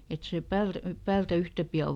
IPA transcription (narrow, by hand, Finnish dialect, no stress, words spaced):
et se pæyr pæːltæ yhtæ piɑ